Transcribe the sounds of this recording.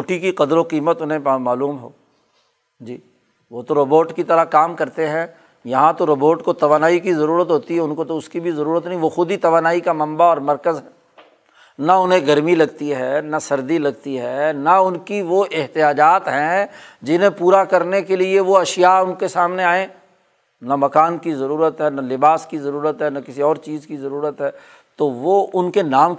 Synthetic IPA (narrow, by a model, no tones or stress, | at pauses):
ʈikiqɐd̪ɾoqiːmət̪ʊnɦẽmaːluːmɦoː | d͡ʒiː | ʋot̪oɾoboːʈkit̪ɐɾakaːmkɐɾt̪eɦɛ̃ | jɐɦãt̪oɾɐboːʈkot̪ɐʋaːnaːikizɐɾuːɾət̪ɦoːt̪iɦɛʊnkot̪oʊskibʱizɐɾuːɾət̪nɐɦĩʋoxʊd̪it̪ɐʋaːnaːikamɐ̃mbaɔːɾmɐɾkəzɦɛ̃ː | nɐʊnɦẽɡɐɾmilɐɡt̪iɦɛnɐsɐɾd̪ilɐɡt̪iɦɛːnɐʊnkiʋoʔɪɦt̪ijaːd͡ʒaːt̪ɦɛ̃d͡ʒɪnɦẽpuːɾakɐɾnekelieʋoɐʃjaʊnkesaːmneaːẽː | nɐmɐkaːnkizɐɾuːɾət̪ɦɛːnɐlɪbaːskizɐɾuːɾət̪ɦɛːnɐkɪsiɔːɾt͡ʃiːzkizɐɾuːɾət̪ɦɛː | t̪oʋoʔʊnkenaːm